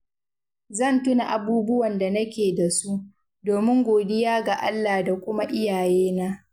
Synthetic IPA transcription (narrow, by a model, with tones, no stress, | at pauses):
zɐ˦˨ntʊ˦na˨ʔa˨buː˦bʊ˦wɐ˨nda˨nɐ˦kʲeː˨da˨su˦ʔ | doː˨mɪ˦ŋɡʷoː˨dɪ˦jaː˦ɡa˨ʔa̰˦lːaː˨da˨kʷʊ˦ma˦ʔɪ˦jaː˨jeː˦naː˦ʔ